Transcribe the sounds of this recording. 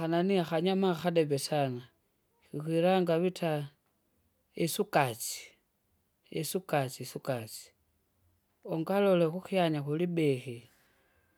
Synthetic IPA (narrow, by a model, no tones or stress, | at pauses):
ananiaxaɲamaxadeβesana | xixwiɾaŋɡaβitʰa | esukat͡si̥ | ḛsukat͡sisukat͡si̥ | oŋɡalolexuxiaɲaxulibexi